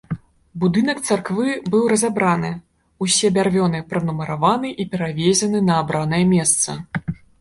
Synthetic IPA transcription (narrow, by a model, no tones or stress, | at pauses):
bud̪ɨn̪ɐkt̪sarkvɨbɨwɾɐzabɾanɨ | usʲɛbʲarvʲɔnɨpɾɐnumɐɾavanɨʔipʲɛɾavʲezʲɐnɨnɐːbɾanɐjɛmʲɛst̪sɐ